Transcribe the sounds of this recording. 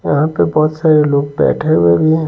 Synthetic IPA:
jɐɦãpebɔːt̪saːɾeloːɡ̚bɛ̰ːʈʰeɦuebʱiɦɛ̃

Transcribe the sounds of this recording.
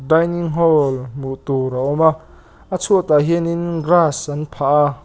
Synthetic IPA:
dajniŋɦɔlmuʔt̪uɾaʔɔma | ʔat͡sʰuət̪aɦininɡrasʔanpʰaʔa

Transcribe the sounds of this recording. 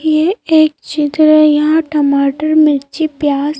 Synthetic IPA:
jeeːkt͡ʃɪt̪ɾəjɐɦãʈɐmaːʈəɾmɪɾt͡ʃipjaːs

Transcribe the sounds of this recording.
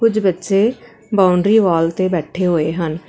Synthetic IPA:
kʊd͡ʒbətːʃeː | baːʊɳɖɾiːʋaːlt̪eːbɛːʈʰeːɦoːeːɦən

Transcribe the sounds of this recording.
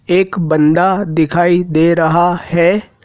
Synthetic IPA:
eːkbə̃nd̪ad̪ɪkʰaːid̪eːɾɐɦahɛː

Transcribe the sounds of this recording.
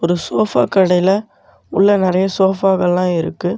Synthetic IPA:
ɔɾɯsoːfa̰ːkɐɽɐɪlɐ | ʊɭːɐnɪɾɐjɐsoːfaːɣɐɭlãːɪɾɯ̰kːɯ

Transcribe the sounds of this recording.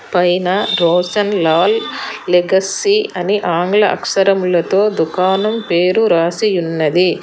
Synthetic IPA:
pɐjnɐɾoːsɐnlaːlːeɡɐsiɐniʔaːŋɡlɐʔɐ̰kʂɐɾɐmulɐt̪o̞ːd̪ukaːnɐmpe̞ːɾuɾaːsijunːɐd̪i

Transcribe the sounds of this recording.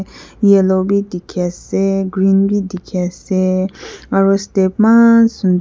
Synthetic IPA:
jelobid̪ikʰɛseɡɹinbid̪ikʰɛseŋaɹostep̚masund̪

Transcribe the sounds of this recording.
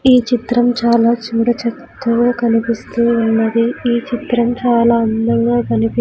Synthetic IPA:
iːt͡ʃit̪ɾɐmt͡ʃaːlaːt͡ʃuːɽɐt͡ʃɐt̪ːɐʋoːkɐnipist̪uunːɐd̪iiːt͡ʃit̪ɾɐmt͡ʃaːlaːɐnd̪ɐŋɡaːkɐnipi

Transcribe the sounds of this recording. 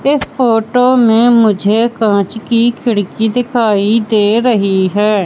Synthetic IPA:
ɪspoːʈoːmẽmʊd͡ʒʱekãːt͡ʃkikʰɪɽkid̪ɪkʰaːid̪eːɾəɦiɦɛː

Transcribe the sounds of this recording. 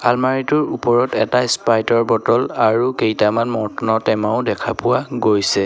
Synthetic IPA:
almaɹitʊɹupɔɹɔtɛtaspajtɔɹbɔtɔlaɹukejtamanmɔtnɔtɛmaʊdɛkʰapʊwaɡojsɛ

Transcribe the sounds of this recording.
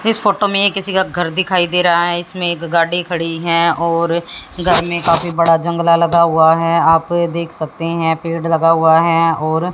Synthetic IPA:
ɪsfoːʈomẽjekɪsikaɡʱɐɾd̪ɪkʰaːid̪eːɾaaɦɛɪsmẽeːkɡaːɽikʰɐɽiɦɛɔːɾɡʱɐɾmẽkaːfibɐɽad͡ʒɐ̃ŋɡlalɐɡaɦʊaɦɛaːpd̪eːkʰsɐk̚t̪eɦɛ̃peːɖlɐɡaɦʊaɦɛɔːɾ

